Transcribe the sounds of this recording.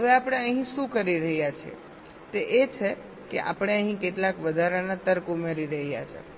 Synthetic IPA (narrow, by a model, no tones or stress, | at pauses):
ɦəʋeapəɽ̃eəɦĩʃũkəɾiɾəɦjat͡ʃʰḛ | t̪eʔet͡ʃʰe | kḛʔa̰pɽ̃eəɦĩkeʈlakʋəd̪ʱaɾanat̪əɾkumeɾiɾəɦija̰t͡ʃʰḛ